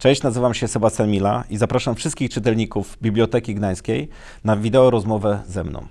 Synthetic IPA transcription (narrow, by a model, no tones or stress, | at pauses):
t͡ʂɛ̃ɕt͡ɕnazɘvamɕɛsɛbat̪sʲanmʲila̰izapɾaʂamfʂɘst̪kʲixt͡ʂɘt̪ɛlɲikuvbʲiblʲjɔt̪ɛkʲiɡd̪aj̃skʲej | navʲid̪ɛɔɾɔzmɔvɛzɛmnɔ̰̃w̃